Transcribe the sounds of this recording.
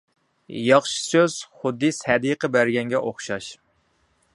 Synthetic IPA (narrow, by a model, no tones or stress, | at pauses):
jɑχʃi̥søz̥χʊd̪ːɨsɛd̪iqʰəbæɾɡʲɛŋɡʲɛʔoχʃɑʃ